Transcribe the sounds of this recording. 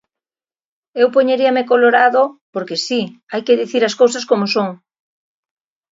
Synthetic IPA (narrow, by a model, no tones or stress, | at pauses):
ewpoɲeɾiɐmɪkoloɾaðopoɾkesiajkɪðiθiɾɐskowsɐskomosoŋ